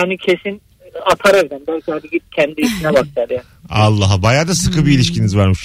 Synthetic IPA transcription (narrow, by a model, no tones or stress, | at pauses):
hanicʰe̞sin | at̪ʰaɾevd̪ænbælʲcʲihad̪iɟicʰɛnd̪iːt͡ʃʰinɛbak̚t͡ʃ̪ʰad̪jaː | alˠːaɦbajaːd̪asɯkʰɯbiːlʲiʃcinizvaɾmɯʃ